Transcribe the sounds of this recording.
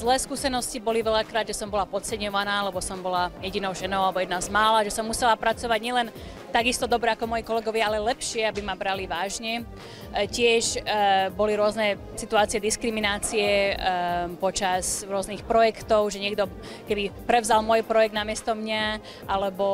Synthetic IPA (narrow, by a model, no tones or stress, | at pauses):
zlɛːskuːsɛnɔscibɔliʋɛʎakɾaːd̪ʒɛsɔmbɔlapɔt͡sɛɲɔʋanaːalɛbɔsɔmbɔlajɛɟinɔʊʒɛnɔʊalɛbɔjɛd̪nazmaːlaʒɛsɔmːusɛlapɾat͡sɔʋaɟɲɪɛlɛn | t̪aɡist̪ɔd̪ɔbɾɛakɔmɔjikɔlɛɡɔʋɪaalɛlɛpʃɪɛabimabɾaliʋaːʒɲɛ | cɪɛʒbɔliɾʊɔznɛ | sit̪uaːt͡siɛd̪iskɾiminaːt͡siɛ | pɔt͡ʃazɾʊɔznixpɾɔjɛkt̪ɔʊʒɛɲɪɛɡd̪ɔ | kɛbipɾɛʊzalmɔjpɾɔjɛɡ̚d̪namɪɛst̪ɔmɲa | ʔalɛbɔ